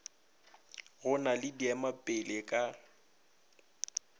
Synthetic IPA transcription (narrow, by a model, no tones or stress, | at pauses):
ɣʊnalɪdiamapʼɪlekʼa